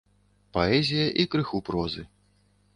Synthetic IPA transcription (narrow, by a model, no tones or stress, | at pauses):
paɛzʲijɐʔikɾɨxupɾɔzɨ